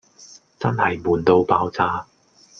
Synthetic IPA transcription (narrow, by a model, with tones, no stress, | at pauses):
t͡sɐ˥nhɐ˨jmuː˨nt̪o˧wpaː˧˥wt͡saː˥